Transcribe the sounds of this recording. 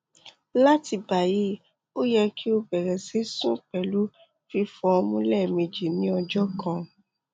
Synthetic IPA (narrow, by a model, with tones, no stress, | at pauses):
la˦ti˧ba˨ji˨˦ | o˦jɛ˧ki˦o˧bɛ˨ɾɛ˨se˦sũ˦k͡pɛ˨lu˨˦ | fi˧fɔ˧o˧mũ˧˦lɛ˦˨mẽ˧d͡ʒi˨nĩ˨˦ɔ˧d͡ʒɔ˦kʰã˧˨